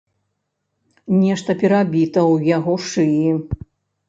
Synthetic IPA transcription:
nʲɛʂt̪ɐpʲɛɾabʲit̪ɐwjaɣɔʂɨji

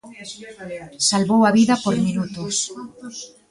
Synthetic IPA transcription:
salβowaβiðɐpoɾminut̪ʊs

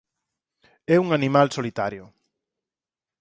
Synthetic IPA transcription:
ɛuŋanimalsolit̪aɾjʊ

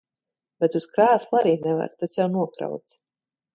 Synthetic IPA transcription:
b̥ɛt̪uskɾaːslˠaɾiːnɛva̰ɾt̪asjawnuɔkɾa̰wt̪s

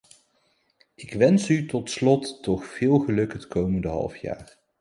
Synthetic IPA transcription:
ɪkʋɛnsytɔtslɔtːɔχfɪːlˠχəlɵkɦətkowməndəɦɑ̰lˠfja̰ːɹ

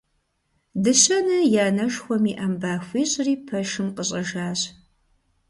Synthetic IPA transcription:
dɨɕɐnɐjaːnɐʃxʷɔmiːʔambaːxʷiːɕʼriːpʰɐʃɨmqəɕʼɐʒaːɕ

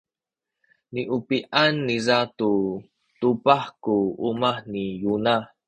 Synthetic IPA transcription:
niʔupiʔanːizatu | tupaħkuumahnijuna

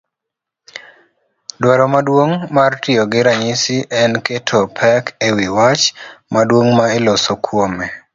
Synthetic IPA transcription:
dwaɾɔmadwoŋmartɪoɡɪɾaɲɪsiʔɛnketʰopʰɛkʰewiwat͡ʃmadwoŋmaelɔsokʰwomɛ

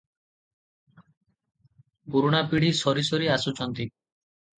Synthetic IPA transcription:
puɾuɽ̃apiɽ̤isɔɾisɔɾiasut͡ʃɔnt̪i

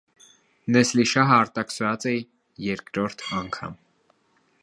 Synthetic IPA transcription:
nɛsliʃɑɦəɑɾt̪ɑksɾɑt͡sɛ | jɛɾkɾɔɾt̪ʰɑŋkʰɑ̰m

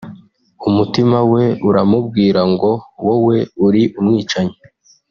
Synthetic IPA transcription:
umutimawe̞uɾamub̚ɡiːɾaŋɡo̞wowe̞uɾiʔumŋiːt͡ʃaɲe

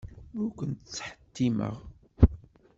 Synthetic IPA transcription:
mʊkʷənt̪t͡sːħə̥t̪ːimə̰ʁ

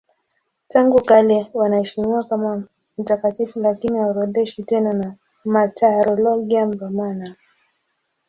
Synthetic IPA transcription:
taŋɡukalɛwanaɛʃimiwakama | m̩takatifulakiniaɾɔɗɛʃitɛnana | mataɾɔlɔɡiambamana

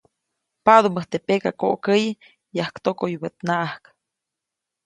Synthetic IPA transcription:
paðuməht̪epekakoʔkəj | jahkt̪okojbət̪naʔahk

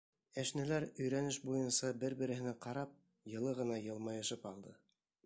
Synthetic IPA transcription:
æʃnɘ̆læɾɵ̆jɾænɘʃbujɤnsɑbɘɾbɘ̆ɾɘ̆hɘ̆næqɑɾɑp̚ | jɤ̆lˠɤʁɤ̆nɑjɤ̆lˠmɑjɤ̆ʃɤpɑlˠd̪ɤ

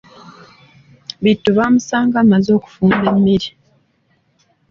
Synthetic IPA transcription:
βitːuβaːmusaːŋɡamazo̞ːku̥fuːmbe̞mːiɾi

